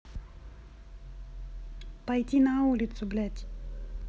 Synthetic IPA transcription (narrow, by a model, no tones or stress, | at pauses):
pajtʲinaulʲit̪sʊblʲætʲ